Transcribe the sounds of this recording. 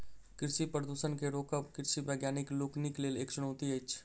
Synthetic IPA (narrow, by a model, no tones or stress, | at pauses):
kɪɾʃipɾəd̪uʃənkeɾoːkəpkɪɾʃiʋəːɡjaːnɪkloːknɪkleːleːkt͡ʃʊnoːt̪iəit͡ʃʰ